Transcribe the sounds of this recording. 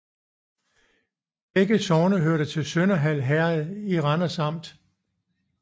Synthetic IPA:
b̥eɡ̥əsɒːʊnəɦøɐ̰ɾ̥ət͡sʰe̝lsønɐɦæl̰ɦæɐð̩ˠiʁɑnɐsɑ̈m̰d̥

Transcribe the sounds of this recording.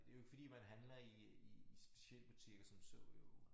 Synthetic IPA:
d̥e̝jo̝e̝ɡ̥fɒ̽d̥ḭːmænɦænlɐi | isb̥e̝ɕiel̰b̥ut͡sʰiɡ̥ɐsɒ̽msɔʊ̰jo

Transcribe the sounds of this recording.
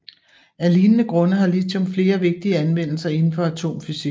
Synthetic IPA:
æliːnənəɡ̥ʁɔ̽nəɦɑ̈lit͡sʰɒ̽mfle̝ːɐʋe̝ɡ̥̚d̥iəænʋen̰l̩sɐe̝nn̩fɒ̽æt͡sʰo̝̰ːmfysiɡ

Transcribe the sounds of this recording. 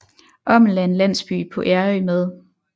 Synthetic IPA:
ʔɒ̽mlænlæn̰sb̥y̰ːpʰɒ̽ʔæɐømeðˠ

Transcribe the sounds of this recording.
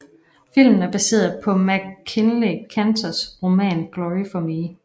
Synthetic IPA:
fil̰mn̩æɐb̥æse̝̰ːɐðˠpʰɒ̽mæɡ̥kʰːenlikʰænt͡sʰɐsʁo̝mɛ̰ːnɡ̥lɒʁifɒmi

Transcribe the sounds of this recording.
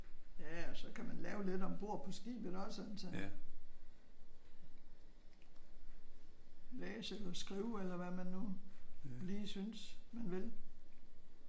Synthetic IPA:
jæɒ̽sɒ̽kʰæmænlɛːʊle̝d̥ɒ̽b̥o̝ɐ̰pʰɒ̽sɡ̥ḭːb̥ðˠɒ̽sɒnn̩sɔ̽n | lɛːselɒsɡ̥ʁiːʊelɐʋæmænːu | liːsynsmænʋe̝l

